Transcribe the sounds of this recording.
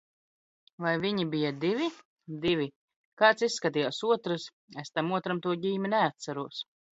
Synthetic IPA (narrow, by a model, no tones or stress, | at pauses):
vajvʲiɲibijad̪ivʲi | d̪ivʲi | kaːt̪sisːkat̪ijaːsuɔt̪ɾɨs | est̪amuɔt̪ɾamt̪uɔɟiːmʲɛnɛat̪sæɾuɔs